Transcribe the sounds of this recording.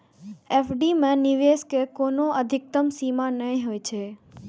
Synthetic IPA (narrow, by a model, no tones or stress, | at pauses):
efɖimẽniʋeskekonoəd̪ʱɪk̚t̪əmsimanəĩɦojt͡ʃʰe